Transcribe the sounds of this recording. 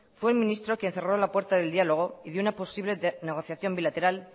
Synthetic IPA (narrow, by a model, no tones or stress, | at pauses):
fweːlmĩnist̪ɾokje̞n̟θe̞ro̞lapwe̞ɾt̪aðe̞ld̪ialo̞ɣ̞o̞iðunapo̞siβle̞ne̞ɣ̞o̞θjaθjo̞mbilat̪e̞ɾal